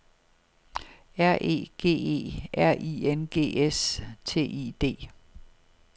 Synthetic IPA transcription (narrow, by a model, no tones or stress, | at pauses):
æɐ̰ʔe̝̰ːɡ̥e̝̰ːe̝̰ːæɐ̰ʔḭenɡ̥e̝̰ːest͡sʰe̝̰ːʔḭːd̥e̝̰ː